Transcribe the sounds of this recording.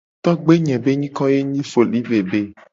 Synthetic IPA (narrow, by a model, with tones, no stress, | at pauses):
t̪ɔ˦ɡ͡be˦ɲɛ̃˨be˦ɲĩ˦kɔ̃˦je˦ɲĩ˦fo˨li˦ve˨be˦